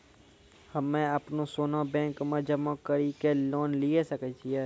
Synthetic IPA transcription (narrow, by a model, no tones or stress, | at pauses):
həmẽəpnosoːnabɛ̃ːŋkmẽd͡ʒəmakəɾikeloːnliesəkət͡ʃʰiɛː